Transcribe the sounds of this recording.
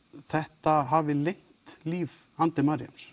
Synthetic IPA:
θɛht̪aɦavɪlejŋ̥t̪liːv | ant̪ɪmaɾja̰ms

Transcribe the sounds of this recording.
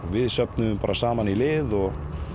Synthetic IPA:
vɪðsœp̚nʏðʏmpaɾasaːmanilɪːðɔɣ

